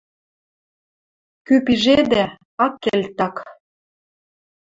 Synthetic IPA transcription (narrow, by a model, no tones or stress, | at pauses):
kypiʒed̪æ | ɑkːelʲt̪ɑk